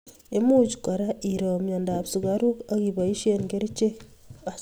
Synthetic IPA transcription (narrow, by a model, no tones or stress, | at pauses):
emuɟu̥kaɾaʔiɾomjandaβsuɣaɾuaɣiβaiʃeŋɡeɾit͡ʃe | a